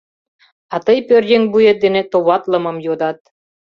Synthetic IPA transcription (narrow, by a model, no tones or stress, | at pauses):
ɑt̪ɤjpørʲdʲeŋʲbujĕt̪̚d̪enĕt̪oβɑt̪lɤ̆mɤ̆mjod̪ɑt̪̚